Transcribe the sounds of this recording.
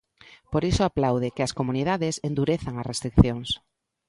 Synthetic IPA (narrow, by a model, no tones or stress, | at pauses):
poɾisoaplawð̞ɪkeɐskomunið̞aðesend̪uɾeθaŋɐsrest̪ɾik̚θjoŋs